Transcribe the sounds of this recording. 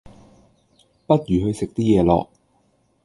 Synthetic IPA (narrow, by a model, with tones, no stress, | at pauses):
pɐ˥t̚jyː˨ɦɵ˧ɥsɪ˨k̚t̪iː˥jɛː˨˧lɔ̰ː˨k̚